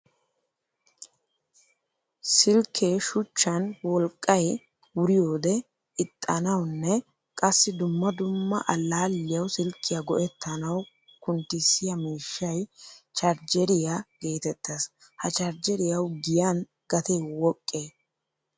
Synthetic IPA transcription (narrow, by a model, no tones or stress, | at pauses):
sɪlkʰːeːʃʊt͡ʃːɐnwɔlkʼːɐj | wʊɾɪjo̞ːd̪ɛ | ɪt̪ʼːɐnɐwnːɛ | kʼɐsːɪd̪ʊmːɐd̪ʊmːɐ̰ʔɐlːaːlːɪjɐwsɪlkʰːɪjɐɡɔʔɛt̪ːɐnɐw | kʊnt̪ːɪsːɪjɐmiːʃːɐjt͡ʃɐɾd͡ʒɛɾɪjaɡ̥e̞ːt̪ɛt̪ːɐs | hɐt͡ʃɐɾd͡ʒɛɾɪjɐwɡɪjan | ɡ̥ɐt̪eːwɔkʼːeː